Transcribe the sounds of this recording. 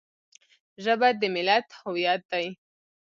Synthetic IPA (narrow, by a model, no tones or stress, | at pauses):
ʒəbad̪əmɪlat̪huwijat̪̚d̪aj